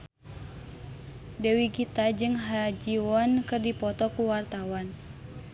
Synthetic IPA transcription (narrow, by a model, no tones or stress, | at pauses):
dɛwiɡit̪ad͡ʒɨŋɦad͡ʒiwɔnkɨrdipɔt̪ɔkuwart̪awan